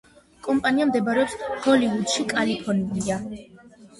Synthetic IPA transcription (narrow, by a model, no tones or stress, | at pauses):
kʼɔmpʼaniamd̪ɛbɾɛɔpshɔliud̪̥ʃikʼalipʰɔɾniɡia